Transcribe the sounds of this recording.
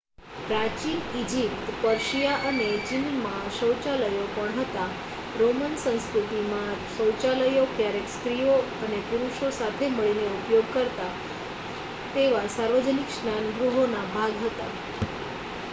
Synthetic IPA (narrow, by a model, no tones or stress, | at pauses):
pɾat͡ʃilid͡ʒip̚t̪pəɾʃijaʔəned͡ʒinmãʃə̃wt͡ʃaləjopəɳɦət̪a | ɾomənsə̃nskɾut̪imãʃə̃wt͡ʃaləjokjaɾekskɾijo | ənepuɾuʃosat̪ʰeməɭineupjoɡkəɾt̪a | t̪eʋasaɾʋəd͡ʒənikʃnanɡɾuɦonabʱaɡɦət̪a̰